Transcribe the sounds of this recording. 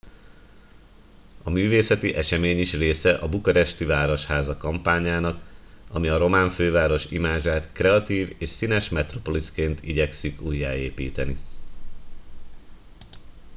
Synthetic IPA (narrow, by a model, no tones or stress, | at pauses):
ɒmyːveːsɛt̪iʔɛʃɛmeːɲiʃreːsɛʔɒbukɔɾɛʃt̪yvaːɾo̞ʃhaːzɒkɒmpaːɲaːnɒkɒmiɒɾo̞maːɱføːvaːɾo̞ʃḭmaːʒaːt̪krɛɒt̪iːveːʃsinɛʃmɛt̪ro̞po̞liskeːnt̪ʰiɟɛksikuːjːa̰ːeːpiːt̪ɛni